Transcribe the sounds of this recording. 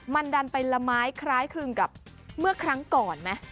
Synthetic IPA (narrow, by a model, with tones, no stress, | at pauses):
ma˧nda˧npa˧jla˧maː˦˥jkʰɾaː˦˥jkʰɯ˧ŋka˨˩p̚ | mɯ˥˩ɐkʰɾa˦˥ŋkɔː˨˩nmɛ˦˥